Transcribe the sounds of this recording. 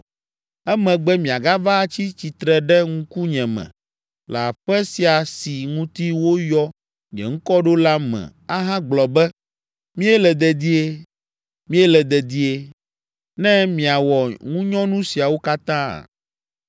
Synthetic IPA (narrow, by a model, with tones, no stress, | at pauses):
ɛ˦mɛ̃˨ɡ͡bɛ˦mĩ˨a˨ɡa˦va˦t͡ɕi˦t͡ɕi˨t̪ɾɛ˨ɖɛ˦ŋũ˦ku˦ɲɛ̃˨mɛ̰̃˨ | la̰˨ɸɛ˦si˨a˨si˨ŋũ˦t̪i˦wo˦jɔ˦ | ɲɛ̰̃˨ŋ̩˦kɔ˦ɖo˦la˦mɛ̰̃˨ | a˦ɦã˦ɡ͡blɔ˨bɛ˦ | mĩ˦ɛ˦lɛ˨d̪ɛ˨d̪i˦e˦ | mĩ˦ɛ˦lɛ˨d̪ɛ˨d̪i˦e˦ | nɛ̃˦mĩ˨a˨wɔ˨ŋũ˦ɲɔ̃˦nũ˦si˨a˨wo˦ka˦t̪ã̰˦˨